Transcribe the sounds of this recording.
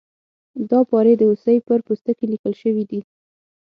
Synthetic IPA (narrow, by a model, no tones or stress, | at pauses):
d̪ɑpɑɾed̪əusəjpəɾpust̪əkelikəlʃəwid̪i